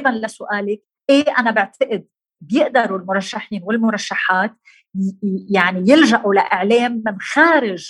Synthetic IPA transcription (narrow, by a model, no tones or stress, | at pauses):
banlasʊʔaːlɪk̚ | ʔeʔanabɪʕt̪aʔɪd̪̚ | bjɪʔd̪ɑɾˤulmʊɾˤɑʃːaħiːnwɪlmʊɾˤɑʃːaħaːt̪̚ | jaʕnijɪlʒaʔulaʔɪʕleːmːɪnxaːɾɪʒ